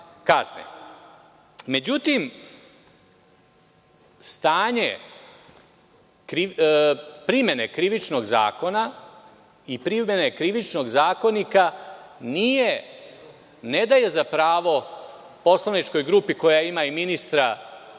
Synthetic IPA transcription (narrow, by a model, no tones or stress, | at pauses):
kaznḛ | me̞d͡ʑut̪im | st̪aːɲe̞̰ | kɾi | pɾime̞ne̞kɾiʋit͡ʃno̞ɡza̰ːko̞na | ipɾimene̞kɾiʋit͡ʃno̞ɡzaːko̞nikanije̞ | ne̞d̪aje̞zapɾaːʋo̞ | po̞slanit͡ʃko̞jɡɾupiko̞jaimaiminist̪ɾa